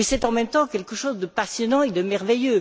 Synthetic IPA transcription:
ɛsɛt̪ɑ̃mɛmt̪ɑ̃kʲɛlkəʃozd̪əpasjɔnɑ̃ed̪əmɛʁvejø

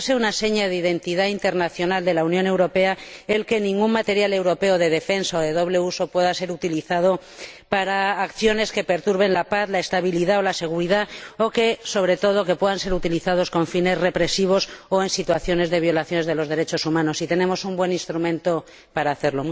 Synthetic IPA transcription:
seunase̞ɲaðeiðe̞nt̪iðaint̪e̞ɾnaθjo̞nald̪e̞launjõne̞wɾo̞pe̞ae̞lke̞nĩŋɡunmat̪e̞ɾjale̞wɾo̞pe̞oðe̞ðe̞fe̞nsaoðe̞ð̞o̞β̞le̞uso̞pwe̞ðase̞ɾut̪iliθað̞o̞ | paɾaːkθjo̞ne̞ske̞pe̞ɾt̪uɾβe̞nlapaθlaest̪aβ̞iliðao̞lase̞ɣ̞uɾiðaoke̞so̞β̞ɾe̞t̪o̞ð̞o̞ke̞pwe̞ðanse̞ɾut̪iliθaðo̞sko̞ɱfine̞zre̞pɾe̞siβ̞o̞soe̞nsit̪waθjo̞ne̞zðe̞β̞jo̞laθjo̞ne̞zð̞e̞lo̞zð̞e̞ɾe̞t͡ʃo̞sumãno̞sit̪e̞nẽ̞mo̞sumbwe̞nĩnst̪ɾumẽ̞nt̪o̞ | paɾaːθe̞ɾlo

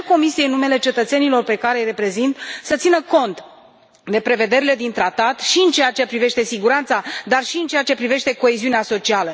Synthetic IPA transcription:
ko̞misijeɨnːume̞le̞t͡ʃe̞t̪ət̪se̞nilo̞rpe̞kaɾe̞jre̞pɾe̞zint̪sət̪sinəko̞nt̪ | d̪e̞pɾe̞ve̞d̪e̞ɾile̞d̪int̪ɾat̪at̪ʃiɨnt͡ʃejat͡ʃe̞pɾive̞ʃt̪e̞siɡuɾant̪sad̪arʃiɨnt͡ʃe̞at͡ʃe̞pɾive̞ʃt̪e̞ko̞eziuneaso̞t͡ʃialə

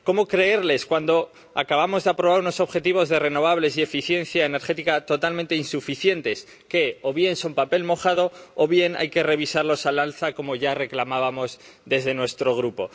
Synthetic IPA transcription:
ko̞mo̞kɾe̞e̞ɾle̞skwand̪o | akaβamo̞zðe̞apɾo̞βaɾuno̞so̞βxe̞t̪iβ̞o̞zðe̞re̞no̞β̞aβle̞s̬ie̞fiθje̞nθjaene̞ɾxe̞t̪ikat̪o̞t̪almẽnt̪e̞insufiθje̞nt̪e̞s | ke̞oβje̞nso̞mpape̞lmo̞xaðo̞ːβje̞na̰jke̞re̞β̞isaɾlo̞salalθako̞mo̞ʝare̞klamaβamo̞zðe̞zðe̞nwe̞st̪ɾo̞ɣɾupo̞

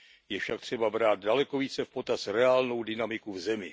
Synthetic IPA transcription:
jɛfʃak̚t̪r̥ɛbabɾaːt̪̚dalɛkoviːt͡sɛfpo̞t̪asɾɛaːlno̞wdɪnamɪkuvzɛmɪ

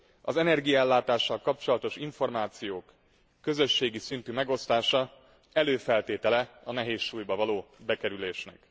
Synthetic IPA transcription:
ɒ̰zɛnɛrɡijɒɛlːaːt̪aːʃːɒlkɒp̚t͡ʃo̞lɒt̪o̞ʃiɱfo̞rmaːt̪sijoːkː | ø̞zø̞ʃːeːɡisint̪yːmɛɡo̞st̪aːʃɒ | ɛløːfɛlt̪eːt̪ɛlɛɒnɛɦeːʃʃuːjbɒvɒloːbɛkɛɾyleːʃnɛ̰k

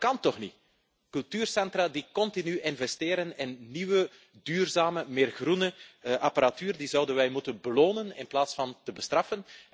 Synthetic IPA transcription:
kɑntɔxni | kɵlˠtyːrsɛntraːdikɔntinyʔɪnvɛstɪːɾənɪnːiʋə | dyːrzaːməmɪːrɣrunəʔɑpaɾatyːrdizɑwdənʋɛjmutənbəloːnənɪnplaːtsfɑntəbəstrɑfən

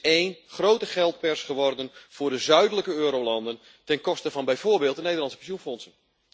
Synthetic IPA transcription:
eːnχrowtəχɛlˠt̚pɛrsχəʋɔrdənv̥ʊːrdəzœɥdələkəøːɾowlɑndən | tɛnkɔstəvɑnbɛjvoːrbeːlˠtdənejdərlɑnsə̥pɛnsjunfɔnsən

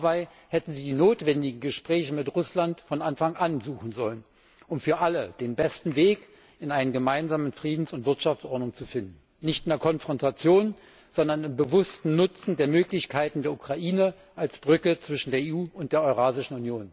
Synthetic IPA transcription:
baɪ | hɛtn̩ziːdiːnoːtv̥ɛndɪɡŋ̩ɡəʃpʁ̥ɛːçəmɪtʁʊslantfɔnʔanfaŋʔanzuːxn̩zɔlən | ʔʊmfyːɐʔaləd̥eːnbɛstn̩veːk | ɪnaɪnənɡəmaɪnzaːmənfʁ̥iːdn̩sʊntv̥ɪɐtʃaft͡sʔɔɐdnʊŋt͡sufɪndn̩ːɪçtɪneɐkʰɔnfʁ̥ɔntʰat͡sjoːn | z̥ɔndɐnɪmbəvʊstn̩nʊt͡sn̩deːɐmøːklɪçkʰaɪtn̩deːɐukʁ̥aʔiːnə | ʔalsb̥ʁʏkət͡sv̥ɪʃn̩deːɐeːuːʊntd̥eːɐɔʏʁaːzɪʃn̩unjoːn

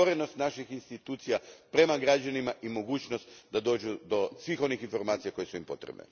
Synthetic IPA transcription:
oɾe̞no̞st̪naʃixinst̪it̪uːt̪sijapɾe̞maɡɾad͡ʒanimaʔimo̞ɡuːt͡ɕno̞st̪d̪ad̪o̞ːd͡ʒud̪o̞sʋiːxo̞nixinfo̞ɾmaːt̪sijako̞jesuimpo̞̰t̪ɾebnḛ

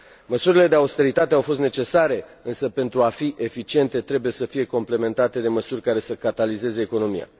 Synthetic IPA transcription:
məsuɾile̞d̪eawst̪e̞ɾit̪at̪eawfo̞st̪net͡ʃe̞saɾe̞ɨnsəpe̞nt̪ɾuafiʔe̞fit͡ʃie̞nt̪e̞t̪ɾe̞buje̞səfije̞ko̞mple̞me̞nt̪at̪e̞d̪e̞məsurʲkaɾe̞səkat̪alize̞ze̞ːko̞no̞mija̰

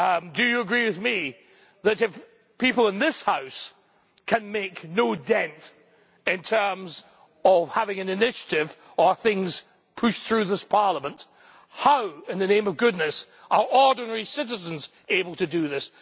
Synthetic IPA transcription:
dɨjɨːɡɹiwɨðmi | ðɨɾɨf | pʰipl̩ˠə̃nðɪshaʊs | kʰɨ̃nmeɪknoʊdɛ̃nt | ɨ̃ntʰɜ̃˞mz | ʌv̥hævɪ̃ŋɨ̃nɨnɪʃɨ̥ɾɪv | ə˞θɪ̃ŋz̥ | pʰʉʃθɹʉðɪspʰɑɹlˠəmə̃nt | haʊɨ̃nðɨnẽɪ̃mʌvɡʊdⁿnɨs | ʔə˞ʔɔɹdⁿn̩əɹisɪɾɨzə̃nz | eɪbl̩ˠtʰɨdɨðɪs

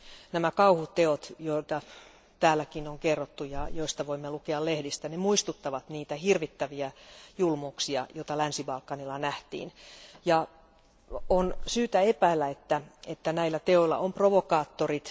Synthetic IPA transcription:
næmækɑuhut̪teot̪joit̪ɑ | t̪æːlːækinoŋkerːot̪ːujɑjoist̪ɑʋoimːelukeɑllehdist̪ænemuist̪ut̪ːɑʋɑt̪niːt̪æhirʋit̪ːæʋiæjulmouksiɑ̰joit̪ɑlænsibɑlkːɑnilːɑnæht̪ḭːnjɑ | onsyːt̪æepæilːæet̪ːæet̪ːænæilːæt̪eoilːɑ̰ʔomproʋokɑːt̪ːorit̪

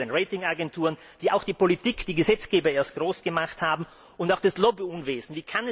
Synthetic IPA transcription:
eːnʁeɪtɪŋaɡɛntʰuːʁən | d̥iːaʊxd̥iːpolitiːkd̥iːɡəzɛt͡sɡ̥eːbɐeːɐst̚ɡ̥ʁoːsɡ̥əmaχthaːbm̩ | ʊntaʊxd̥aslobiʊnveːzn̩viːkʰanɛ

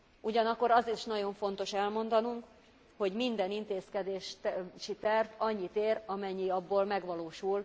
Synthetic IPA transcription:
ʔuɟɒnɒkːo̞ɾɒziʃnɒɟo̞ɱfo̞n̪t̪o̞ʃɛlmo̞nd̪ɒnuŋk | ho̞ɟmind̪ɛnint̪eːskɛd̪eːʃʃit̪ɛrvɒɲːit̪eːɾɒmɛɲːiɒbːoːlmɛɡʋɒloːʃul

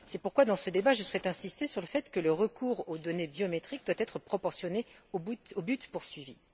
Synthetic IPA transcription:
sɛpuʁkwad̪ɑ̃səd̪ebaʒəswɛt̪ɛ̃sist̪esyʁləfɛt̪kələʁəkuːʁod̪ɔnebjɔmet̪χik̚d̪wat̪ɛt̪χəpχɔpɔʁsjɔneobuobyt̪puʁsɥivi

